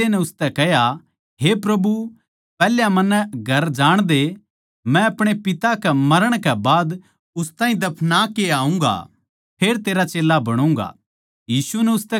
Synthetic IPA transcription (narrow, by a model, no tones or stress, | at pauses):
enɛʊst̪ɛkɛɦja | ɦepɾɐbu | pɛːljamɐnːɡʱɐɾd͡ʒaːɽ̃d̪e | mɛ̃ɐpɽ̃epɪt̪akɛmɐɾəɽ̃kɛbaːd̪ | ʊst̪aːĩd̪ɐpʰnakeaːũːŋɡa̰ | pʰeːɾt̪eːɾat͡ʃeːlːabɐɽ̃ũŋɡa̰ː | jiːsunɛʊst̪ɛ